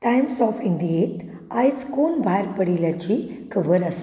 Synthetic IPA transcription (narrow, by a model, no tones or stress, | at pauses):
ʈajmsɔːfiɳɖijet̪ | ajskonbʱajɾpəɽilat͡ɕi | kəʋəɾas